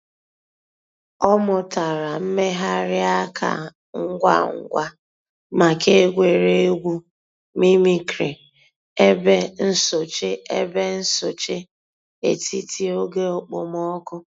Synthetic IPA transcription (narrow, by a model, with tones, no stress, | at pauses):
ɔ˦mʊ˨ta˨ɾa˨m̩˦me˦ɦa˦ɾɪ˦a˦kʰa̰˨ | ŋ̩˦ɡʷa̰˦ŋ̩˦ɡʷa˦ | ma˨ke˦ɡʷe˨ɾe˦ɡʷu˦ | mi˦mi˨kɾe˨ | e˦be˦n̩˦so˨t͡ʃe˦e˦be˦n̩˦so˨t͡ʃe˦ | ḛ˨ti˦ti˦o˦ɡe˦o˨k͡po˨mɔ˦kʊ˦